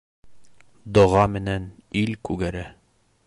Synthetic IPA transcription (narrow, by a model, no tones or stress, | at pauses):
d̪ŏʁɑmɘ̆nænilkʉɡæɾæ